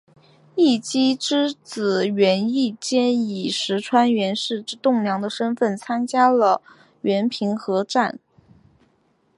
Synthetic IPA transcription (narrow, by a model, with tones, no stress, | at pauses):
i˥˩t͡ɕi˥ʈ͡ʂɻ̩˥t͡sɹ̩˨˩ɥɛ˧˥ni˥˩t͡ɕjɛ˥ni˨˩ʂɻ̩˧˥ʈ͡ʂʰwa˥nɥɛ˧˥nʂɻ̩˥˩ʈ͡ʂ̩˥t̪ʊ˥˩ŋljɑ˧˥ŋd̪ə˧ʂə˥nfə˥˩nt͡sʰa˥nt͡ɕja˥lə˨ | ɥɛ˧˥npʰi˧˥ŋxɤ˧˥ʈ͡ʂa˥˩n